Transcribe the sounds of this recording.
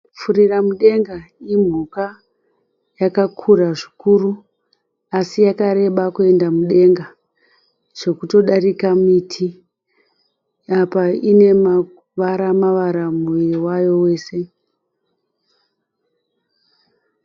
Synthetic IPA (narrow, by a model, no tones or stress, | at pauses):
fuɾiramuɗe̞ŋɡaim̤uka | jakakʰuraʐikuru | asijakaɾe̞ɓakue̞ndamuɗe̞ŋɡa | ʐ̥o̞kuto̞ɗarikamitʰi | apaine̞ma | ʋaɾamaʋaɾamuiiwajo̞we̞ːse̞